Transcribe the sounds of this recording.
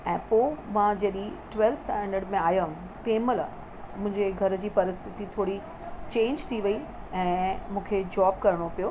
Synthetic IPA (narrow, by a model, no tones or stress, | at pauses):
ɛ̃ːpoːmãd͡ʑiəɗiʈʋeːlsʈɛ̃ːɳɖəɾɖmẽaːjã | t̪ẽːmələ̰ | mʊ̃ɦɪ̃ɲd͡ʑeɡʱɐɾd͡ʑiːpɐɾɪst̪ʰɪt̪it̪ʰoːɽi | t͡ɕẽːɲd͡ʑt̪ʰiʋɐi | ɛ̃ːmũːkʰed͡ʑɔːb̚kɐɾəɽ̃opijoː